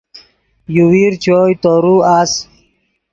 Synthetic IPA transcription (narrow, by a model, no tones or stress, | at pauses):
juwiɾt͡ɕojt̪oːɾuaːs